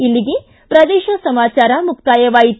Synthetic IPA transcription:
ilːiɡe | pɾɐd̪eːʃɐsɐmaːt͡ʃaːɾɐmuk̚t̪aːjɐʋaːjit̪

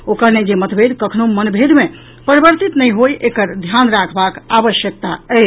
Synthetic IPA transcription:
okəɾned͡ʒemət̪ʰbʱed̪kəkʰnomənbʱed̪me | pəɾibəɾt̪it̪nəjɦojʔekəɾd̪ʱjanɾakʰbakaβəʃjək̚t̪aɛ

